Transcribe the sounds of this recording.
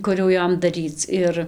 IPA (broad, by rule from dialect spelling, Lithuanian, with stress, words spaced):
ˈkʊr jɛʊ ˈjoːm dɐˈrʲiːt͡s ˈɪr